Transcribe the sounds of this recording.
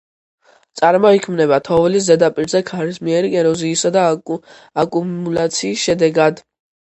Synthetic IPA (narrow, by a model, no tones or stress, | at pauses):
t̪sʼaɾmɔikʰmnɛβat̪ʰɔvɛlis̬zɛd̪apʼiɾzɛkʰaɾismiɛɾiɡɛɾɔziːsad̪a | akʼuulat̪sʰiːsʃɛd̪ɛɡad̪